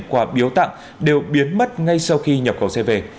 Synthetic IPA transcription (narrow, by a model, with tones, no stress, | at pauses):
kwaː˧˩ɓi˨˦əwt̪a̰˧˨ŋ | ɗe˨˩wɓi˨˦ənmə˦˥t̚ŋa˧jsa˧wxi˧ɲə˨˩p̚xə˧˩wsɛ˧ve˧˩